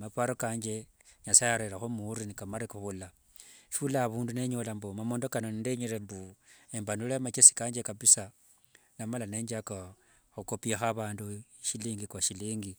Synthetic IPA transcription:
mapaɾokaːɲd͡ʒe̞ | ɲasajaɾeɾaxomuɾinikamaɾikuxula | ʃulaβuːndune̞ɲolambomamoːndokanonindeɲiɾembuembanulemat͡ʃesi̥kaːɲd͡ʒekapisa | namalaneːɲd͡ʒaka | xukopiaxaβaːnduʃiliŋɡikaʃiliːŋɡi

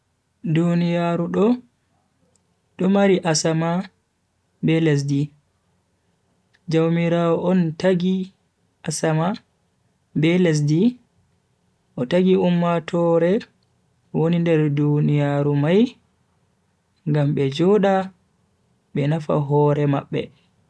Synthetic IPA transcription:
dunijaɾuɗɔ | ɗɔmaɾiʔasama | bɛlɛs̬di | d͡ʒawmiɾaɔʔɔntaɡi | ʔasama | bɛlɛs̬di | ʔɔtaɡiumːatʰɔɾɛ | wonindɛɾdunijaɾumaj | ŋɡamɓɛd͡ʒɔɗa | ɓɛnafa̰ɦɔɾɛmaɓːɛ̰

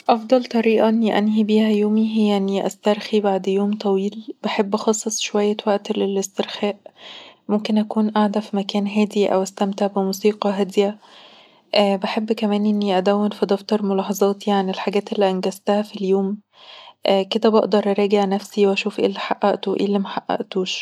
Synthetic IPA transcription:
ʔɑfd̪ˤɑlt̪ˤɑɾiːʔɑʔenːiʔænɦibiːhæjoːmiɦejːanːiʔæ̰st̪ɑɾˤxibaʕd̪joːmt̪ˤɑwiːlb̥eħebːxɑːsˤːɑsˤʃowæjːæwæʔt̪lelest̪eɾxæːʔmomkenʔækuːnʔaʕd̪æfimækæːnɦæːd̪iʔæ̰wæst̪æmt̪eʕbemuːsiːqɑɦæd̪jæ | ʔæːbeħebːkæmæːnʔenːiʔæd̪æwːenfid̪ɑft̪ɑɾˤmolɑːħɑzˤɑːt̪iʕanelħaɡæːt̪ʔelːiʔænɡæzt̪æhæfiljoːm | ʔked̪æbɑʔd̪ɑɾˤʔɑɾˤɑːɡeʕnæfsiwʔæʃuːfʔḛːlːiħaʔːæʔt̪oʔḛːlːimæħaʔːæ̰ʔt̪uːʃ

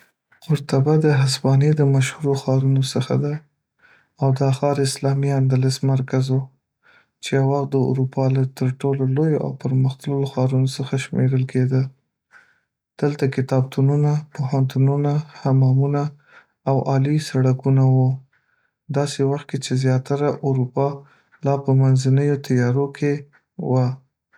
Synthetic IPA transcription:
qʊɾt̪abad̪əɦasbɑned̪əmaʃhuɾoxɑɾunosəxa̰d̪a | awd̪əaxɑɾɪslɑmiand̪alɪsmaɾkazu | t͡ʃejawaxt̪̚d̪əṵɾupɑlat̪əɾʈololojoʔa̰wpəɾməxt̪ələloxɑɾunosəxaʃmeɾəlkʰed̪ə | d̪̥əlt̪akɪt̪ɑb̚t̪ʰununapoɦant̪ununahamɑmuna | awʔɑlisaɽakunawu | d̪ɑsewaxt̪̚ket͡ʃezjɑt̪aɾaʔuɾupɑ | lɑpəmanzanəjot̪ʰajɑɾokʰe | wa

